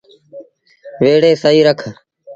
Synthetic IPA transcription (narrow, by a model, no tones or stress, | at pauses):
ʋeːɽeːsəiːɾəkʰ